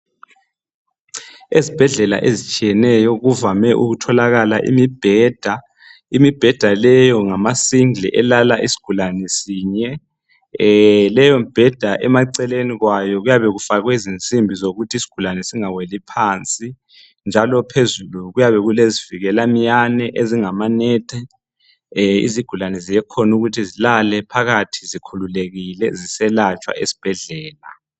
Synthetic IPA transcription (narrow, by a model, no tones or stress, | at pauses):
ezib̥ʱɛɮɛla̰ʔezit͡ʃʼijɛnɛjɔɣuvamɛʔṵɣutʰɔlaɣalaʔḭmib̥ʱɛːd̥ʱa | imib̥ʱɛd̥ʱalɛjɔŋamasiŋlḭʔɛlalaʔisi̥ɡ̥ʱulanɛsiːɲɛ | lɛjɔmib̥ʱɛd̥ʱaʔɛmaǀɛleniɣwajɔɣujaβɛɣufaɣwezint͡sʼimbʱizoɣutʰisi̥ɡ̥ʱulanɛsiŋawelipʰaːnt͡sʼi | nd͡ʒʱalɔpʰezuluɣujaβɛɣuleziviɣɛlamijanɛʔeziŋamanɛːtʰʼɛ | ḭziɡ̥ʱulanɛzijɛkʰɔnuɣutʰizilalɛpʰaɣatʰizikʰululeɣilɛzisɛlat͡ʃʼwa̰ʔḛsi̥b̥ʱɛɮɛːla